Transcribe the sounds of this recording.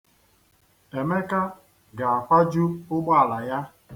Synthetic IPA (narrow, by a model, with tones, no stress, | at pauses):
e˨me˦ka˦ | ɡa˨a˨kʷa˦d͡ʒu˦ʊ˦ɡ͡ba˦a˨la˨ja˦